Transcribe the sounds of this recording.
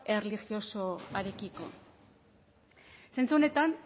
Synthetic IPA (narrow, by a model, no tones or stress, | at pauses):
e̞relixio̞so̞aɾe̞kiko̞̰ | se̞nt͡suone̞t̪an